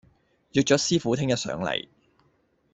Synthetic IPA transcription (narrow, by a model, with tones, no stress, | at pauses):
jœː˨k̚t͡ʃɔː˨˥siː˥fuː˨˥t̪ʰɪ˥ŋjɐ˥t̚sœ̰ː˨˥ŋlɐ̰˨˩j